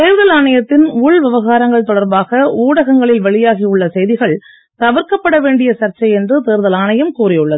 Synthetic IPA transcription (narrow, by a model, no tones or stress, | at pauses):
t̪eːɾðɐlaːɳɐjɐt̪ːɪnuːɭʋɪʋɐɣaːɾɐŋɡɐɭt̪ɔɽɐɾbaːɣɐuːɽɐɣɐŋɡɐɭɪlʋɐɭɪjaːɣijʊɭːɐsɛjðɪɣɐɭ | t̪ɐʋɐɾkɐpːɐɽɐʋeːɳɖɪjɐsɐɾt͡ʃːɐjɛndrɯt̪eːɾðɐlaːɳɐjɐmkuːrɪjɯɭːɐðɯ